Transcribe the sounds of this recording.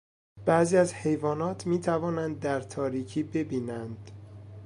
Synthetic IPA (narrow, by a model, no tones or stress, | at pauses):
b̥æziːæzhe̞jvɒːnɒːt̪ʰmiːt̪ʰævɒːnænd̪ːæɾt̪ʰɒːɾiːcʰiːbe̞biːnænd̪̥